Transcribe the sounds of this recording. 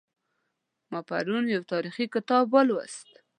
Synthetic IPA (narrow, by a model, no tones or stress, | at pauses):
mɑpa̰ɾunjawt̪ɑɾixikɪt̪ɑbwəlwa̰st̪